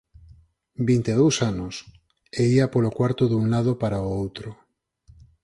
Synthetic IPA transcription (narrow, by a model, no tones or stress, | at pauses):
bint̪eð̞owsanos | eiapolokwaɾt̪oðuŋlað̞opaɾaoowt̪ɾo